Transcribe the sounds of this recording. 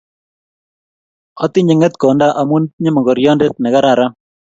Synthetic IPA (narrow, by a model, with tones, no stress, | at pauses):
ɔ˦t̪ɪ˦ɲe˨ŋɛ˦t̪kɔ˨nda˦ʔa˨mu˦ntɲe˦mɔ˨ɡɔ˨ɾjɔ˦nde˦t̚nɛ˨ɡa˦ɾa˨ɾa˦